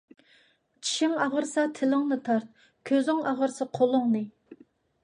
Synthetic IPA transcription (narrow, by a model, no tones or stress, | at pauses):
t͡ʃʰi̥ʃɪŋɑʁəɾsɑt̪ʰɪlɪŋnɨt̪ʰɑɾt̪̚ | kʲʰøzɪŋɑʁəɾsɨqʰolˠʊŋnɨ